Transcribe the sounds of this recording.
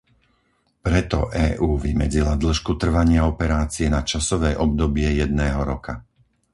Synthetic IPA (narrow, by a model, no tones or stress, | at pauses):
pɾɛt̪ɔ̰ʔɛːʔuːʋimɛd͡zilad̪l̩ʃkut̪r̩ʋaɲɪaɔpɛɾaːt͡siɛnat͡ʃasɔʋɛːʔɔb̚d̪ɔbɪɛjɛd̪̚nɛːɦɔɾɔka